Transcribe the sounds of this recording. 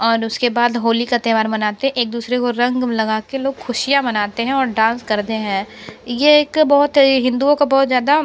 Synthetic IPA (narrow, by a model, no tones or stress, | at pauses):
ɔːɾʊskebaːd̪ɦoːlikɐt̪eʋaːɾmɐnaːt̪eɦɛ̃ʔeːk̚d̪uːsɾekoɾɐ̃ŋɡlɐɡaːkeloːɡxʰʊʃijamɐnaːt̪eɦɛ̃ɔːɾɖãːnskɐɾt̪eɦɛ̃ːjeːkbɔɦʊt̪ɦɪ̃nd̪uõkabɔːʊt̪zjaːd̪a